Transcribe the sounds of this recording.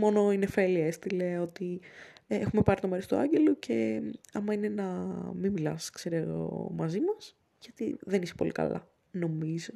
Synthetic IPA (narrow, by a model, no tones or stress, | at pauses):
mo̞no̞inefe̞liest̪ileo̞t̪iexume̞pɐɾit̪omeɾist̪uɐɲɟe̞locʰe̞ɐmɐinenɐmimilɐ̰skseɾeɣo̞̰mɐzimɐs | ʝ̥ɐt̪iðe̞nise̥po̞̰lḭkɐ̰lɐ̰ | no̞mizo